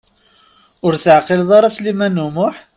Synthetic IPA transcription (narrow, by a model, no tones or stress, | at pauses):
ʊɾθəʕqilðˤɑɾˤɑslimænumʊħ